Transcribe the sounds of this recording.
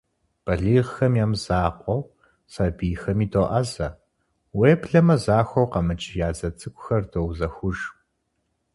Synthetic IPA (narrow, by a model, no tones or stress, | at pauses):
b̥ɐɮiːʁxɐmjaːmzaːqʷʼɔw | saːbiːxɐmiːdʰoːʔɐzɐ | weːbɮɐmɐzaːxʷɐwqɐmɨt͡ʃʼjaːzɐt͡sʼɨkʷʼʊxɐrdowzɐxʷʊʒ